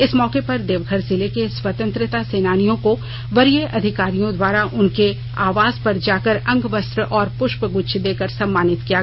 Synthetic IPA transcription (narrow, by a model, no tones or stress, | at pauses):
ɪsmɔːkepɐɾd̪eːʋɡʱəɾzɪlekeswət̪ə̃nt̪ɾɪt̪aseːnaːnijõko | ʋɐɾieʔɐd̪ʱɪkaːɾijõd̪waːɾaʔʊnke | aːʋaːzpɐɾd͡ʒaːkəɾɐ̃ŋɡʋəst̪ɾəʔɔːɾpʊʃpəɡʊʃʰd̪eːkəɾsɐ̃mːaːnɪt̪kija